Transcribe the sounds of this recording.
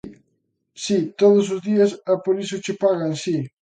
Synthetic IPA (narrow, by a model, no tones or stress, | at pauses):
sit̪oð̞ʊsʊzðiɐsapoɾisʊt͡ʃɪpaɣansi